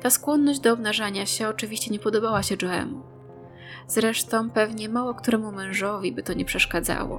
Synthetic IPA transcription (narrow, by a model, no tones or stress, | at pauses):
t̪askwɔnːɔʑd͡ʑd̪ɔːbnaʐaɲaɕɛɔt͡ʂɘvʲiɕt͡ɕɛɲɛpɔd̪ɔbawaɕɛd͡ʐɔɛ̰mṵ | z̥ɾɛʂt̪ɔ̃w̃pɛvɲɛmawɔkt̪uɾɛmumɛ̃w̃ʐɔvʲibɘt̪ɔɲɛpʂɛʂkad̪za̰wɔ̰